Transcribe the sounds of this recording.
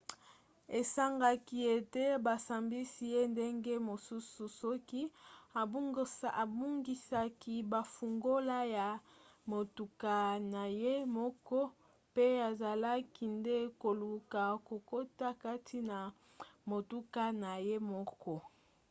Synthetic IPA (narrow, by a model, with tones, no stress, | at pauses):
e˨sa˦ŋɡa˦ki˨e˨te˦ba˨sa˨mbi˦si˨je˦nde˦ŋɡe˦mo˨su˦su˨sɔ˦ki˦a˨bŋa˨bu˦ŋɡi˨sa˦ki˦ba˨fu˨ŋɡo˦la˦ja˨mo˨tu˨ka˨na˨je˦mɔ˦kɔ˦ | pe˦a˨za˨la˦ki˨nde˦ko˨lu˨ka˨ko˨ko˦ta˦ka˦tʰi˦na˨ | mo˨tu˦ka˦na˨je˦mɔ˦kɔ˦